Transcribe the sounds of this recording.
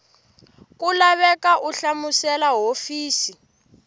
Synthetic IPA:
kulaβɛkaʔuɬamusɛlaɦofiːsi

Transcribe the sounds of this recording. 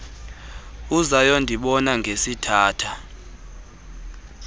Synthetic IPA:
uzajɔndʱiɓɔnaŋɡʱesitʰaːtʰa

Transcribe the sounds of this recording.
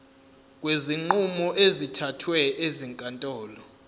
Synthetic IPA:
k̬ʼweziŋ͡ǃumɔʔezitʰatʰwɛeziŋkʼantʼɔːlɔ

